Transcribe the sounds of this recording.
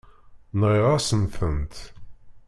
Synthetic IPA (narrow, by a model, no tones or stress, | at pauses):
nʁiʁasənθənt̪